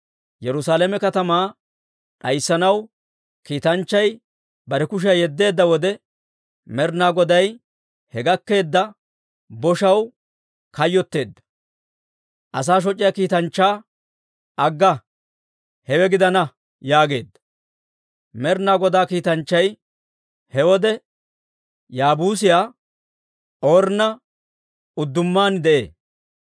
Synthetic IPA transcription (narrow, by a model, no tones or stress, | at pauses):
jɛɾʊsaːlɛmɛkɐt̪ɐmaː | ɗɐjsːɐnɐw | kiːt̪ɐnt͡ʃːɐj | bɐɾɛkʊʃ̬ɛjɛd̪ːe̞ːd̪ːɐwɔd̪ɛ | mɛɾnaːɡɔd̪ɐj | hɛɡɐkːe̞ːd̪ːɐ | bɔʃɐw | kɐjːɔt̪ːe̞ːd̪ːɐ̥ | ʔɐs̬aːʃ̬ɔt͡ʃʼːɪjaːkiːt̪ɐnt͡ʃːaː | ʔɐɡːɐ | hɛwɛɡɪd̪ɐnɐ | jaːɡe̞̰ːd̪ːɐ | mɛɾnaːɡɔd̪aːkiːt̪ɐnt͡ʃːɐj | hɛwɔd̪ɛ | jaːbuːsɪjaː | o̞ːɾnɐ | ʊd̪ːʊmːaːnd̪ɛʔḛː